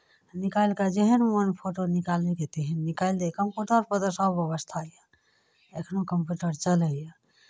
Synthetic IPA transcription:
nikajlkad͡ʒeɦənwənpʰoʈonikaleket̪eɦənːikaild̪ekəmpjuʈəɾpət̪əɾsəbəβəst̪ʰaje | ekʰnokəmpjuʈəɾt͡ʃələje

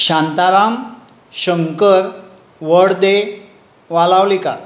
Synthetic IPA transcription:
ɕãnt̪aɾam | ɕəŋkəɾ | ʋəɽd̪e | ʋalaʋlika

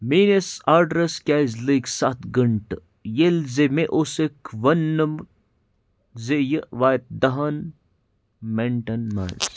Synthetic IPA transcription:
miːnesaːɾɖɾɐskʲaːzləksat̪ɡəɳʈ | jelzemeʔoːsekʰʋɐnːəm | zejəʋaːjt̪̚d̪ɐɦɐn | meɳʈɐnma̰ns

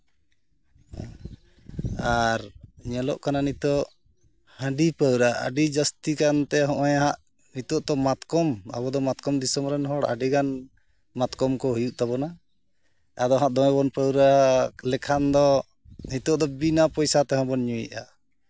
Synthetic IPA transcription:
aɾɲɛlɔ̰ʔkananit̪ɔʔ | hə̃ɖipəwɾaə̰ɖid͡ʒəst̪ikant̪ɛɦɔ̃ʔɔjaɦaʔ | nit̪ɔʔt̪ɔmat̪kɔma̰bɔd̪ɔmat̪kɔmd̪isɔmɾɛnɦɔɽa̰ɖiɡan | mat̪kɔmkɔɦujuʔt̪abɔna | ad̪ɔɦãʔd̪ɔɔbɔnpəwɾalɛkʰand̪ɔ | nit̪ɔʔd̪ɔbinapɔjsat̪ɛɦɔ̃bɔnɲuḭʔa

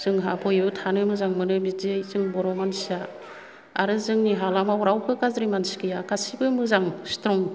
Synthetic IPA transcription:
z̥ɯŋɦapʰɔjɯtʰanɯmɯzaŋmɯnɯbidejzɯŋbɔɾɔmansia | aɾɯzɯŋniɦalamawɾawkʰɯkazɾimansi̥kɯjakasibɯmɯzaŋstɾɔŋ

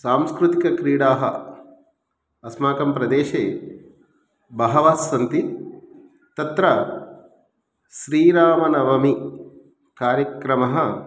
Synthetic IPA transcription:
saːmskɾut̪ikɐkɾiːɽaːɦɐ̰ | ɐsmaːkɐmpɾɐd̪eːʃeː | bɐɦɐʋaːsːɐnt̪i | t̪ɐt̪ɾɐ | ʃɾiːɾaːmɐnɐʋɐmi | kaːɾjɐkɾɐmɐɦɐ

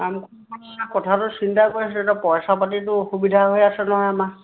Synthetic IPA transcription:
amkʰɔ | ɔakɔtʰatʊsintakojsɛetapɔjsapatitʊxubidʱaɦojasɛnɔɦɔjama

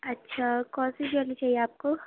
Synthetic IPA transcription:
ɐtːʃʰakɔ̃ːsianit͡ʃaːɦijeaːp̚ko

